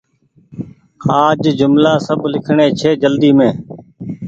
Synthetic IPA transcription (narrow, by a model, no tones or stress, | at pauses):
aːd͡ʒd͡ʒʊmlaːsəblɪkʰɳẽːt͡ʃʰeːd͡ʒəld̪iːmẽː